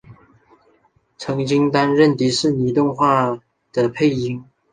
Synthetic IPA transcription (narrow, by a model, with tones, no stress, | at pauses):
t͡sʰɤ˧˥ŋt͡ɕi˥ŋt̪a˥nɻə˥˩nt̪i˧˥ʂɻ̩˥˩ni˧˥t̪ʊ˥˧ŋxwa˥˩ | d̪̥ə˨pʰe˥˩ɪi˧˥ŋ